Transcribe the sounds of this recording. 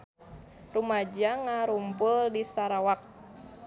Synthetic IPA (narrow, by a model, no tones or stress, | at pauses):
rumad͡ʒaŋaɾumpʊldisaɾawak̚